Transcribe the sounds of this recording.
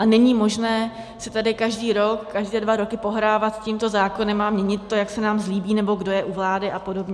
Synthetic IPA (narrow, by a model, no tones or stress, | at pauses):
ʔanɛɲimo̞ʒnɛː | sɪt̪adɪkaʒdiːɾo̞kkaʒdɛːdvaɾo̞kɪpo̞ɦɾaːvat̪cimt̪o̞zaːkonɛmamɲɛɲɪt̪ːo̞jaksɛnaːmzliːbiːnɛbo̞ɡdo̞jɛʔuvlaːdɪʔapo̞do̞bɲɛ